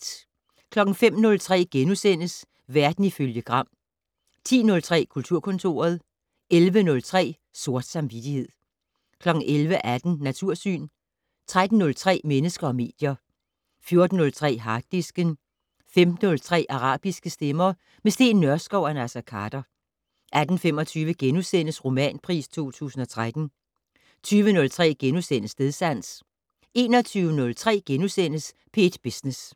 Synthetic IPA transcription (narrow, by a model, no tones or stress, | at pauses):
kʰlɒ̽ɡ̥n̩fem̰nɔ̽lt͡sʰʁɛ̰ːɡ̥enusen̰əs | ʋæɐd̥n̩iføljəɡ̥ʁɑ̈m̰ | t͡sʰḭːnɔ̽lt͡sʰʁɛ̰ːkʰult͡sʰuɐ̰kʰɔ̽nt͡sʰo̝̰ːɐð̞ˠ | elʋənɔ̽lt͡sʰʁɛ̰ː | so̝ɐd̥sɑ̈mʋid̥ihe̝ð̰ˠ | kʰlɒ̽ɡ̥n̩ʔelʋəʔæd̥n̩ːæt͡sʰuɐ̰sy̰ːn | t͡sʰʁad̥n̩ːɔ̽lt͡sʰʁɛ̰ːmenəsɡ̥ɐɒ̽me̝̰ːd̥jɐ | fjo̝ɐd̥n̩ːɔ̽lt͡sʰʁɛ̰ːɦɑ̥̈ːisɡ̥ən | femd̥n̩ɔ̽lt͡sʰʁɛ̰ːʔɑ̈ʁɑ̰̈ːb̥isɡ̥əsd̥emɐ | mesd̥e̝̰ːnːɶɐsɡ̥ɒʊ̰ænæsækʰɑd̥ɐ | ʔæd̥n̩fem̰ɒ̽t͡sʰyːʋəɡ̥enusen̰əsʁo̝mɛ̰ːnpʰʁḭːst͡sʰo̝̰ːt͡sʰṵːsn̩ɒ̽t͡sʰʁad̥n̩ | t͡sʰyːʋənɔ̽lt͡sʰʁɛ̰ːɡ̥enusen̰əsne̝ðˠsæn̰s | e̝ːnɒt͡sʰyːʊənɔ̽lt͡sʰʁɛ̰ːɡ̥enusen̰əs | pʰe̝d̥b̥isnes